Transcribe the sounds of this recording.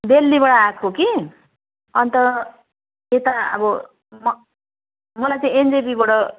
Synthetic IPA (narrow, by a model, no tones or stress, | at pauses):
d̪elːiβʌɽaakʰoki | ʌnt̪ʌ | et̪aʌ̰bʌ | mʌ | mʌlajt͡sãĩend͡zepibʌɽʌ